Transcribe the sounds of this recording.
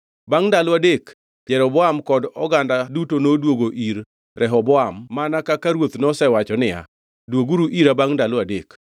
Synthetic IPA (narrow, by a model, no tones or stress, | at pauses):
baŋdalwadek | pjɛɾɔbɔamkɔdɔɡandadutonodwoɡoʔiɾ | ɾʔɛɦɔbɔamːanakakaɾwot̪nɔsɛwat͡ʃɔnɪa̰ | dwoɡuɾuʔiɾabaŋdaladek